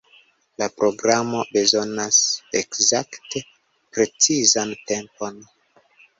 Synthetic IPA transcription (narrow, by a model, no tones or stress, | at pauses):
lapɾo̞ɡɾamo̞be̞zo̞nasekzakte̞ | pɾe̞t͡sizante̞mpo̞n